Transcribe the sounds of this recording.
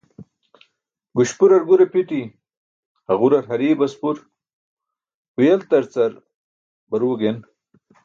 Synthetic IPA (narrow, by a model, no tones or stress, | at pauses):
ɡuɕpuɾɐɾɡuɾepiʈi | haɣuɾɐɾɦɐɾibɐspuɾ | wujelt̪ɐɾt͡sɐɾ | bɐɾuɡen